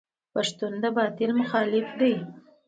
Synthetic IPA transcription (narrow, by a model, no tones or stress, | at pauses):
paʂt̪und̪əbɑt̪ɪlmʊxɑlɪfd̪aj